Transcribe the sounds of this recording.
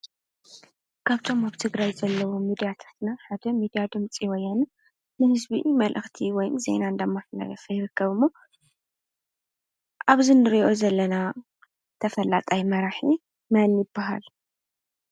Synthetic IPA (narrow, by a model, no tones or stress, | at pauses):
kʰaβt̪ʰo̞maβt̪ʰɨɡɾajzɐlːɐwomid̪ijat̪ʰḁt̪naħad̪ɐmid̪ijad̪ɨmt͡sʼiwɔjːanɨ | nɨhɨzbiʔmɐlʔɨxt̪ʰiwɔjmze̞̰naɨnd̪ɐmːafna̰ɡɐfɐjɪɾɨkʰːɐβɨmːo | ʔaβzinɨɾiʔʔozɐlːɐna | t̪ʰɐfɐlːat̪ʼajmɐɾaħi | manjɪbːaɦa̰l